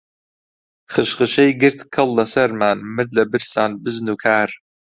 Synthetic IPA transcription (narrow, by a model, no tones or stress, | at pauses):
χəʃχəʃɐjɡɨrt̪ʰkʰɐlˠːɐsɐrmaːnmɨdɐbɨrsaːnbɨznuːkʰaːr